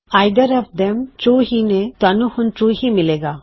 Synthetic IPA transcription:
aɪd̪əɾɔʋd̪ɛmt͡ʃoːɦinet̪anuhʊ̃nt͡ʃuːɦimɪleːɡaː

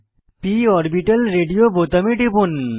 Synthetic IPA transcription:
piɔɾbiʈɐlɾeɖijobʱot̪ɐmiʈipun

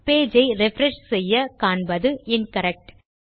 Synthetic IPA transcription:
peːd͡ʒɐɪɾɪfɾɛʂsɛjːɐkaːɳbɐðɯɪnkɐɾɛk̚ʈ

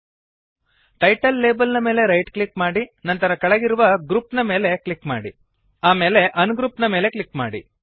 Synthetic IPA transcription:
ʈɐjʈɐlːeːbɐlnɐme̞ːle̞ɾɐjʈkɭikmaːɽinɐnt̪ɐɾɐkɐɭɐɡiɾuʋɐɡɾuːpnɐme̞ːle̞kɭikma̰ːɽḭ | aːme̞ːle̞ʔɐnuɡɾuːpnɐme̞ːle̞kɭikma̰ːɽḭ

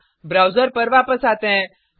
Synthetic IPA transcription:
bɾawd͡ʒəɾpəɾʋapəsat̪ɛ̃

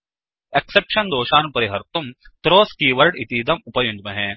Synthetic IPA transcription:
eksepʃɐnd̪oːʃaːnpɐɾiɦɐɾt̪umt̪ɾoːskiːʋɐɾɖit̪iːd̪ɐmʊpɐjʊnd͡ʒmɐɦɛ̃ː

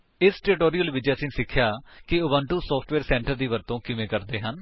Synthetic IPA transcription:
ɪsʈɛːɾɪʈoːɾijəlʋɪd͡ʒaːsɪnsɪkʰːjaːkɪʊbãːɳʈuːsɔːpʰʈʋeːɾsɛ̃ːɳʈəɾd̪iːʋəɾt̪õːkɪmẽːkəɾd̪eːɦən

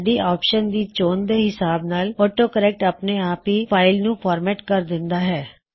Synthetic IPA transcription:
ɖiːʔaːpʃənd̪iːt͡ʃoːnd̪eːɦɪsaːbnaːloːʈoːkəɾɛːk̚ʈəpneːaːpɦiːpʰaːɪlnũːpʰaːɾmɛːʈkəɾd̪ɪnd̪aːɦɛː

